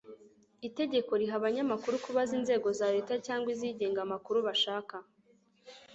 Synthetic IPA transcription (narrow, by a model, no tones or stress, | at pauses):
ite̞ɟe̞ko̞ɾiɦaβaɲamakuɾukuβaziːnze̞ːɡo̞zaɾe̞ːtacaːŋɡwiziɟe̞ːŋɡamakuɾuβaʃaːka